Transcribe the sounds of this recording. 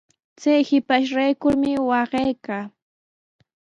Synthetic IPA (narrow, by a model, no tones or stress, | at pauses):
t͡sajhɪpaʃɾajkʊɾmɪwɑɢejkaː